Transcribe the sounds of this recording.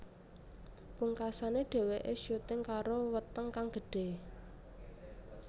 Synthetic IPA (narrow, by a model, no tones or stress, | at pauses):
puŋkasaneɖ̥e̤weʔeʃot̪ɪŋkaɾowət̪əŋkaŋɡ̥ə̤ɖ̥e̤